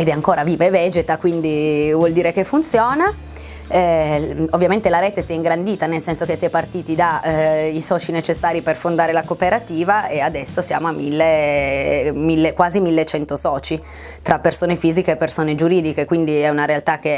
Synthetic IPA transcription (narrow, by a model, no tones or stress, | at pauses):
ed̪ɛaŋkoːɾaviːvaevɛd͡ʒet̪akwind̪ivwɔld̪iːɾek̟efːunt̪sjɔːna | ɛovːjament̪elaɾɛːt̪esiɛiŋɡɾand̪iːt̪anelsɛnsok̟esːiɛpːart̪iːt̪id̪aisɔːt͡ʃinet͡ʃesːaːɾiperfond̪aːɾelakopeɾat̪iːvaead̪ɛsːosja̰ːmoamːilːe | milːekwaːzimilːet͡ʃɛnt̪osɔːt͡ʃi | t̪ɾʔapːersoːnefiːzikeːpːersoːned͡ʒuɾiːd̪ikekwind̪iɛunaɾealt̪ak̟ːe